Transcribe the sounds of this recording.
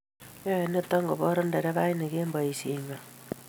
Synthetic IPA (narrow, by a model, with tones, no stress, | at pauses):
jo˦e˨ne˦ta˦ŋɡo˨βo˦ɾo˦nde˨ɾe˦βa˦i˦ne˨keː˦mba˨i˨siɲa˨